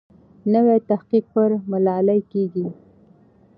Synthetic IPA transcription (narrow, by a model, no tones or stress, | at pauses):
nəwet̪ahqiq̚pəɾmalɑlajkeɡi